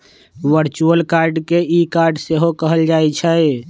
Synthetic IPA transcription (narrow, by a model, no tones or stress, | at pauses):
ʋəɾt͡ʃuəlkaɾɖkeikaɾɖseɦokəɦəld͡ʒaɛt͡ʃʰəj